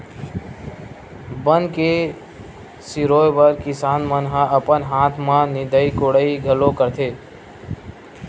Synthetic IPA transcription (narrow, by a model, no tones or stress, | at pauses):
bənke | siɾoːjbəɾkɪsaːnmənɦãʔəpənɦaːt̪ʰmãnɪd̪əikoɽəiɡʱəlokəɾt̪ʰeː